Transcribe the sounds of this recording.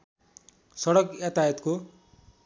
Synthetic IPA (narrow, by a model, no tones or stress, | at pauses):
sʌɽʌkjat̪ajʌt̪ko